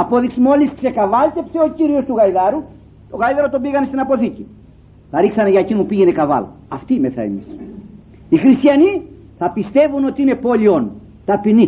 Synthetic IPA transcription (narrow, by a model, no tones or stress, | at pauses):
ɐpo̞ðiksmo̞liskse̞kɐvɐlt̪e̞pse̞o̞ciɾio̞st̪uɣɐiðɐɾu | t̪o̞ɣɐiðɐɾot̪obiɣɐnest̪inɐpo̞θici | θɐɾiksɐneʝɐecinupiʝe̞ne̞kɐvɐ̰lɐ̰ | ɐft̪ime̞sɐ̰emis | ixɾist̪çɐni | θɐpist̪e̞vuno̞t̪iine̞po̞lio̞n | t̪ɐpini